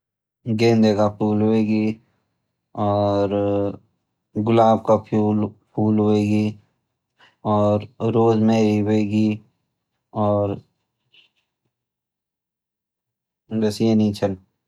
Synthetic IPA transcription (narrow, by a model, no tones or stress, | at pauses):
ɡẽːnd̪ekapʰuːlɦoeːɡi | ɔːɾ | ɡʊlaːb̚kapʰuːlpʰuːlɦoeːɡi | ɔːɾɾoːzmẽɾiɦoeːɡi | ɔːɾ | bəsenĩt͡ʃʰəl